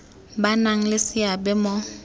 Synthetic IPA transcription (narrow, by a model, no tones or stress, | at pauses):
banaŋ̩lɪsɪabɛmɔ